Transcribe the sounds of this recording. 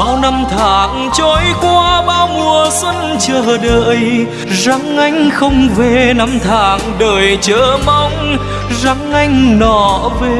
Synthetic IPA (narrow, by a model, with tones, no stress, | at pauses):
a˧˦wna˧mt̪ʰaː˧˨˩ŋ | t͡ɕɔ˧˦jkwaː˧ɓaː˧wmu˨˩əsə˧n | t͡ɕəː˧˩ɗəː˧˨j | za˨˧˦ŋʔa˧jŋ̟xə˧wŋ͡mve˧˩na˧mt̪ʰaː˧˨˩ŋɗəː˨˩jt͡ɕəː˧˥˦ma˧wŋ͡m | za˧˦˥ŋʔa˧jŋ̟nɔ˧˩ve˧˩